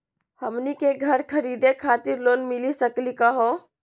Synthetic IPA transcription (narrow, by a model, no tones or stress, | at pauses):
həmnikeɡʱəɾkʰəɾid̪ekʰat̪iɾlonmilisəklikəɦo